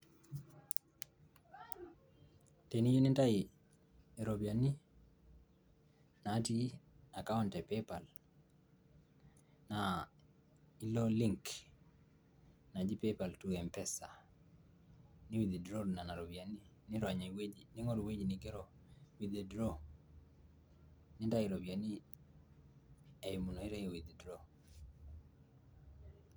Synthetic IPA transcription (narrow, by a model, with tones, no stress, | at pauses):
te˨ni˦ji˦nɪ˦nta˦i | e˨ɾo˨bi˨a˨ni˦ | na˨˦ti˦ | a˨ka˦ʊntɛpepa˨l | na | i˦lo˦liŋk | na˨d͡ʒi˦pepa˨ltuɛmpɛsa˨ | nɪ˦wi˨d̪ɛ˨dɾo˦na˨na˨ɾɔ˨βia˨ni˦ | nɪ˦ɾa˨ɲewe˦nɪ˦ŋo˦ɾwe˦d͡ʒnɪɡe˦ɾo˦ | wi˨d̪ɛ˨dɾo˦ | nɪ˦nda˦i˨ɾobja˨ni˦ | e˨i˨mu˨no˨i˦ɾɛ˦wid̪ɛdɾo˦